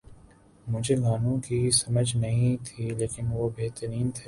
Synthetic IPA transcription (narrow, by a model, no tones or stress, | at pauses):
mʊd͡ʒʱeɡaːnũkisɐməd͡ʒnɐɦĩt̪ʰiːleːkɪnʋobeːt̪əɾiːnt̪ʰeː